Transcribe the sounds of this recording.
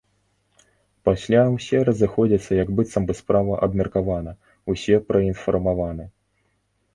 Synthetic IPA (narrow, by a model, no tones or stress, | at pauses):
pasʲlʲawsʲɛɾɐzɨxɔd͡zʲɐt̪sːɐjɐɡbɨt̪sɐmbɨspɾavɐʔɐbmʲɐrkavanɐ | wsʲɛpɾɐinfɐrmavanɨ